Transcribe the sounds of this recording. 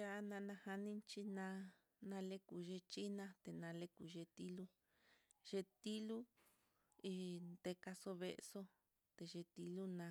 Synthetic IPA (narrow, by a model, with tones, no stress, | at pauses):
ja˦nã˧nã˧ha˧nĩ˦nt͡ʃi˧nã˧ | nã˧le˦ku˨ʒe˧t͡ʃi˦nã˧t̪e˨nã˧le˦ku˨ʒe˧t̪i˦lu˦ | ʒe˧t̪i˦lu˦ | i˧nd̪e˧ka˧so˧βḛ˧ʔso˦ | t̪e˨˧ʒe˧t̪i˧lu˦nã˧